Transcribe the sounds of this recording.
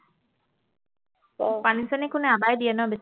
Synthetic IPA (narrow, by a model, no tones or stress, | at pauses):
panisanikʊnɛabajdiɛnɔbes